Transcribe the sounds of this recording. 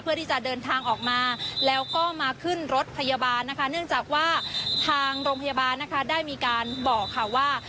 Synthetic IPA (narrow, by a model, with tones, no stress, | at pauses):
pʰɯ˥˩ət̪iː˥˩t͡ɕa˨˩dɤː˧nt̪ʰaː˧ŋʔɔː˨˩k̚maː˧lɛː˦˥wkɔː˥˩maː˧kʰɯ˥˩nɾo˦˥t̪̚pʰa˧jaː˧baː˧nːa˦˥kʰa˦˥nɯ˥˩əŋt͡ɕaː˨˩k̚waː˥˩t̪ʰaː˧ŋɾoː˧ŋpʰa˧jaː˧baː˧nːa˦˥kʰa˦˥daː˥˩jmiː˧kaː˧nbɔː˨˩kʰːa˧˥˩waː˥˩